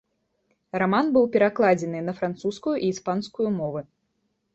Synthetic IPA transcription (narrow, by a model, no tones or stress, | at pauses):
ramanbɨwpʲɛɾaklˠad͡zʲɛnɨnɐfɾant̪suskujuʔiːspanskujumɔvɨ